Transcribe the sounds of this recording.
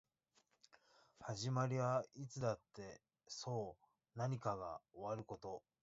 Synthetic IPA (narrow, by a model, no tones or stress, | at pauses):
haʑimaɾʲiβait͡sɨd̪at̪ːe̞ | so̞ː | naɲ̟ikaɡa̰o̞βaɾɯ̟ko̞t̪o̞